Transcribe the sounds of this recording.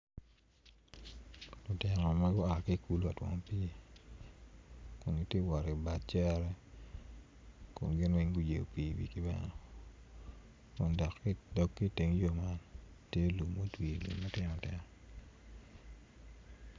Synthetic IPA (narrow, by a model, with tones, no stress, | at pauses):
lʊ˨tɪ˨nɔ˨ma˦ɡʊ˦a˨ki˦ku˨lu˦a˨twɔ̰˨ŋ˨pi˦˨ | kʊ˨nɡi˦tje˦wa˨ɾe˨ba˨t͡ʃɛ˦ɾɛ˦ | kʊ̰˨mɡɪ˦nwe˦ŋɡu˦d͡ʒḛ˨o˨pi˨wḭ˨ki˦bɛ̰˦nɔ˨ | kʊ˨ndɔ˨kːi˦dɔ˦kːi˦te˨ŋ˦jo˦ma˦n | tje˦lu˨mːo˦twi˨lṵ˨mːɛ˦tɪ˦nɔ˨tɛ˦